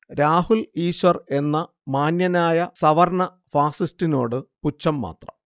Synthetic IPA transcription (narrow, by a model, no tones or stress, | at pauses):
ɾaːhuliːɕʋɐre̞nːɐ | maːnjɐnaːjɐsɐʋɐrɳɐ | faːsistino̞̰ːɽɨput͡ɕːɐmːa̰ːt̪rɐ̰m